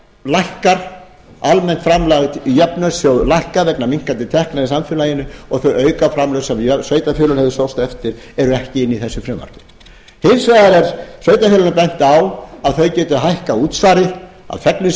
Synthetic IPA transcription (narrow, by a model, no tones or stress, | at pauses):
lajhkaɾ̥ | almɛn̥t̪fɾamlaɣɪt̪ijɛpnʏsjowlajhkavɛknamiŋ̥kant̪ɪt̪ʰɛhknaðɪsamfʏːlajɪnʏɔɣθœɥœːɥkafɾamlœɣsɛmjœsvœɥt̪afjʏːlʏlhɛɣðʏsowst̪ɛft̪ɪɾ̥ | ɛɾʏɛhcɪɪnːiθɛsːʏfɾɪmːa̰ɾ̥kɪ̥ | hensvaːɣðaɾɛɾsvœɥt̪afʏlʏnapɛn̥t̪awaðθœɥcɛːt̪ʏɦajhkauːt̪svaːɾɪ | a̰ðfɛknʏ